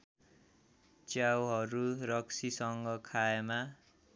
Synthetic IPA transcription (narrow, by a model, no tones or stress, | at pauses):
t͡sjawɦʌɾuɾʌksisʌŋɡʌkʰaema